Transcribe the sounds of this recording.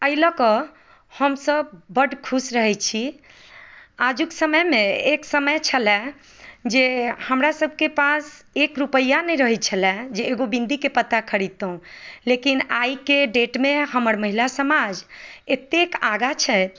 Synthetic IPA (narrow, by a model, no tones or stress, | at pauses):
əjləkə | həmsəb̚bəɖkʰusɾəɦɛt͡ʃʰi | ad͡ʒuksəməjmeeksəməjt͡ʃʰəlɛ̃ | d͡ʒehəmɾasəb̚ʱkepas | ekɾupəjːanɛjɾəɦɛt͡ʃʰəlɛ̃d͡ʒeːɡobĩnd̪ikepət̪ːakʰəɽit̪oũlekinajkeɖeʈmeɦəməɾməɦilasəmad͡ʒet̪ekaɡat͡ʃʰɛ